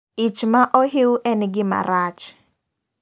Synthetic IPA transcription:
it͡ʃmaʔɔɦewʔɛnɡɪma̰ɾat͡ʃ

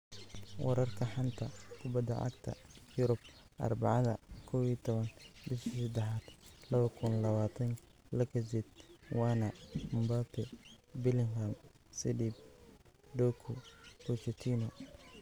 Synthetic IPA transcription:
wɐ̰ɾɐrkʰɐħant̪ʰɐkʰʊbɐd̪ːɐ̰ʕɑ̰ɡt̪ʰɐ̰jʊɾʊb̚ʔɐ̰rbɑʕɑðɐkʰɔwiːt̪ʰɔβɐnbɪʃsɐd̪ɛħaːd̪̥lɐβɐkʰʊnlɐβaːt̪ʰɐŋ | lɐkʰɐsɪd̪wɑːnɐmʊmbaːpʰɛbɪlɪŋham | sɛd̪ib | ɖɔkʰʊbɔt͡ʃɛt̪ʰiːnɔ

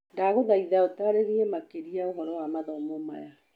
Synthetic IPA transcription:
ndaɣoðaiðaotaɾeɣiemakeɾiaoɣɔɾɔwamaðɔmɔma̰ja

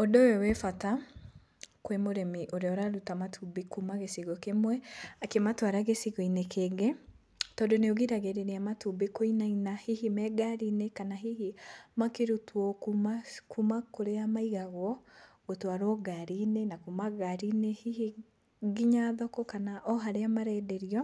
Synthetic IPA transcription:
odowɛwɛfata | kwemoɾɛmiʔoɾeɔɾaɾutamatʰubekumaɣesiɣɔkemwɛakematwaɾaɣesiɣɔinekʰeɡɛ | tɔːndoneoɣiɾaɣeɾeneamatubekoinainahihimɛɡaɾiːnekanaɦihimakeɾutwɔkumakumakoɾeamaiɣaɣwɔɣotwaɾoɡaɾinenakumaɣaɾinehihi | ɡiɲaðɔkɔkanaʔɔɦaɾeamaɾɛːdɛɾiɔ

